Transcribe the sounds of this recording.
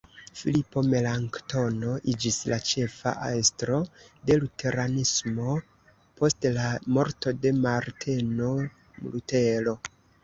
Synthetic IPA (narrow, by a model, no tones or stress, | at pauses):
filipo̞me̞laŋkto̞no̞ʔid͡ʒislat͡ʃe̞fa̰ʔaestɾo̞de̞lutʰe̞ɾanismo̞ | po̞stlamo̞ɾto̞de̞maɾtʰe̞no̞ | mlute̞lo̞